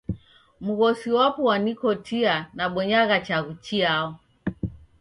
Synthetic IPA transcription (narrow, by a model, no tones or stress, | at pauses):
muɣɔsiwapuwanikɔtʰianaɓɔɲaɣat͡ʃaɣut͡ʃiaɔ